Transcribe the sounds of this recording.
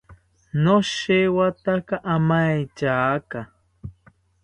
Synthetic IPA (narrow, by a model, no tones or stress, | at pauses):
noʃewat̪akaʔamajt͡ʃaːka